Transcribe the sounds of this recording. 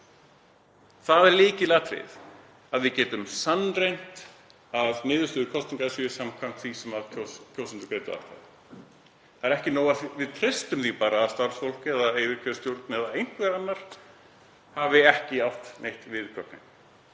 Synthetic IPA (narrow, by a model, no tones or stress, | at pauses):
θaðɛɾliːcɪlaːt̪ɾɪ̰ð | aðvɪðcɛːt̪ʏmsanːrejn̥t̪ | avnɪːðʏst̪ʏːðʏkʰɔst̪iŋkasʏsamkʰam̥t̪θisɛmaðocʰoːwsɪnt̪ɪkɾejt̪ʏa̰ht̪a̰ð | θaðɛɾɛhcɪnoːwavɪðt̪ʰɾɪst̪ʏmθipaːɾaːðst̪aɾ̥sfol̥cɛðaejvɪɾkʰœst̪jowɾt̪nɪɛðaejn̥kvɛɾanːaɾ̥ | havɪɛhcɪawft̪nejht̪vɪðkʰɔpnɪ̰n